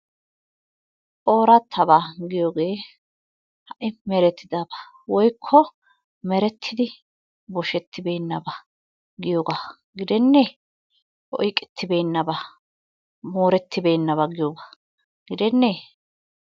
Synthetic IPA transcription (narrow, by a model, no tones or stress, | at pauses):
ʔʼo̞ːɾɐt̪ʰːɐbaɡɪjoːɡe̞ː | hɐʔɪmɛɾɛt̪ʰːɪd̪aba | wɔjkʰːɔ | mɛɾɛt̪ʰːɪd̪ɪ | bɔʃɛt̪ʰːɪbeːnːɐbɐ | ɡɪjoːɡa | ɡɪd̪ɛnːe | ʔɔ̰jkʼɛ̥t̪ʰːɪbeːnːɐbɐ | moːɾɛt̪ːɪbeːnːɐβɐɡɪjoːɡa | ɡɪd̪ɛnːeː